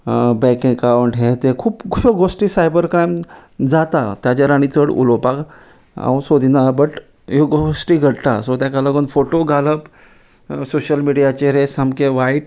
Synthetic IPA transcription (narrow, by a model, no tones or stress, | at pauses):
bɛ̃kẽŋɡkaʋəɳʈɦẽt̪ekʰuːpsoɡosʈiːsajbəɾkɾajmd͡zat̪at̪jat͡ɕaɾaɽ̃it͡səɽṵlopak | a̰wsod̪ʱinabəʈ | joɡosʈiːɡʱəɽt̪asod̪jakaləɡonfoʈoɡʱaləp | soɕəlmiɽijat͡ɕeɾesamkeʋaiʈ